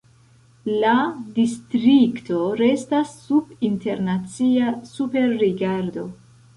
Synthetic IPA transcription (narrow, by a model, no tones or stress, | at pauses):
ladistɾikto̞ɾe̞stasːubinte̞ɾnat͡siasupe̞ɾːiɡaɾdo̞